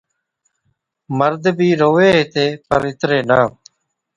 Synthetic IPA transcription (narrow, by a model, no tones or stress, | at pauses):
məɾd̪bʱiːɾoːʋeːɦeːt̪eːpəɾɪt̪ɾeːnaː